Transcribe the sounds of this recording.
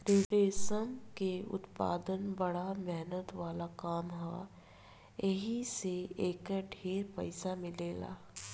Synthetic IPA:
ɾeʈeːsəmkeʊ̰t̪pa̰ːd̪ənbɐɽamɛɦnət̪ʋaːlakaːmɦa | eɦiseeːkɖʱeːɾpɐ̰ɪsamɪleːla̰ː

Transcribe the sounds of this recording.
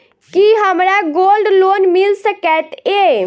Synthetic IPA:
kiɦəmɾaɡolɖlonmilsəkɛt̪e

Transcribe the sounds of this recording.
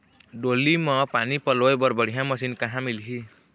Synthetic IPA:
ɖolimʌ̃panipʌloebʌɾbəɽ̤ijãmʌsinkaɦãmilɦi

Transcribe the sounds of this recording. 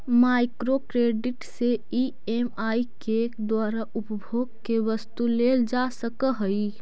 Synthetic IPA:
maːɪkɾokɾeːɖɪʈsei | emaːikkekd̪waːɾaʊpəbʱoːɡ̚keʋəst̪uleːld͡ʒasəkəɦəi

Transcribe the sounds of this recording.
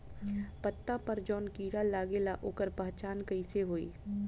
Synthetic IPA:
pət̪ːapəɾd͡ʒɔːnkiːɽalaːɡelaʔoːkəɾpaɦt͡ʃaːnkəɪseɦoːḭː

